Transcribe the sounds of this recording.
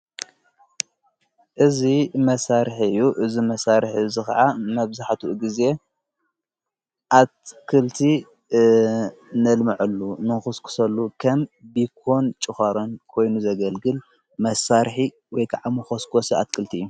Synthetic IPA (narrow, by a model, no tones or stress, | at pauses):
ʔɨzimɐsaɾħiɨjːuʔɨzimɐsaɾħiɨzɨxɐʕamɐβzaħt̪ʰuɡize̞ | ʔat̪kʰɨlt̪ʰi | nɐlmɐʕulːunɨxoskʰu̥sɐlːukʰɐmbikʰo̞nt͡ʃʼɨxɐɾɐnkʰo̞jnuzɐɡɐlɡɨl | mɐsaɾħi | wɔjkʰaʕamɨxoskʰosia̰t̪̚kʰɨlt̪ʰiɨjːu